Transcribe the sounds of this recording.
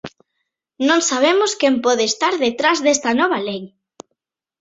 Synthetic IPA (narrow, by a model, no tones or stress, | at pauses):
nõŋsaβ̞emʊskɛmpɔðeːst̪aɾðet̪ɾazðest̪ɐnɔβ̞ɐlej